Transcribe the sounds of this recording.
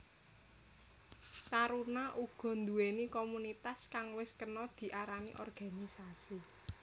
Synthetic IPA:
t̪aɾunaʔuɡ̥ɔ̤nd̪uenikomunit̪askaŋwɪskənɔd̪̥i̤ʔaɾanḭʔɔ̰rɡ̥a̤nisasi

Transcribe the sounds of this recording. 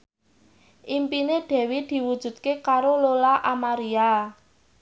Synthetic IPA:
ʔimpineɖ̥ɛ̤wid̪̥i̤wud̥ʒ̥ṳd̪̚kekaɾololaʔamaɾia

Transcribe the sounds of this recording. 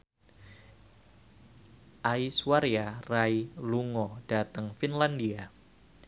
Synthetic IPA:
ʔaiswaɾiarailuŋɔd̥at̪əŋfinlandia

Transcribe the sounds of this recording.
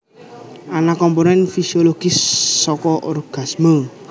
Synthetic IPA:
anakɔmponɛnfisioloɡ̥isːɔkɔʔoɾuɡ̥asmə

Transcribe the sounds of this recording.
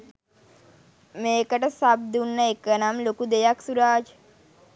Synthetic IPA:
meːkəʈəsab̚d̪unːəekənamlokud̪ejaksuɾaːd͡ʒ

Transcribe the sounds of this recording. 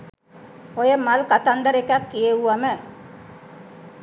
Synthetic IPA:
ojəmalkat̪and̪əɾekakːijeʋuʋamə

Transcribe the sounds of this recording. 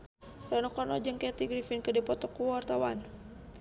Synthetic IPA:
ranukɔrnɔd͡ʒəŋkɛt̪iɡɾifinkədipɔt̪ɔkuwart̪awan

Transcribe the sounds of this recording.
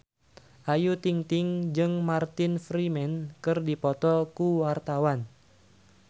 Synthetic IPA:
ʔajut̪iŋt̪ɪŋd͡ʒɨŋmart̪ɪnfɾimɛnkɨrdipɔt̪ɔkuwart̪awan

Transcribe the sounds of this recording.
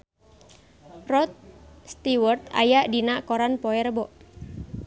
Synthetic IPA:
rɔt̪̚st̪iwərt̪a̰jaʔdinaʔkoɾanpɔɛrbɔʔ

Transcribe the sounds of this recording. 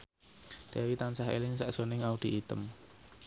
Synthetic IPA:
d̥awit̪ansaɦḛlɪŋsɛʔz̥o̤nɪŋaud̪̥iit̪əm

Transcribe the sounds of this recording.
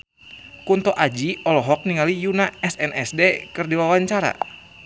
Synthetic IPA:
kunt̪ɔʔad͡ʒiɔlɔɦɔk̚niŋalijunaɛsɛnʔɛsdekɨrdiwawaɲt͡ʃaɾa̰

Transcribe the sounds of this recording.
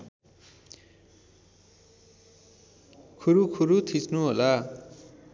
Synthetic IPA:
kʰuɾukʰuɾut̪ʰisnuɦola

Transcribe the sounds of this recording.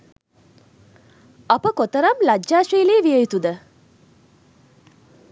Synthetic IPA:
ɐpəkot̪əɾɐmlɐd͡ʒd͡ʒaːʂiːliːʋijəjut̪ud̪ə

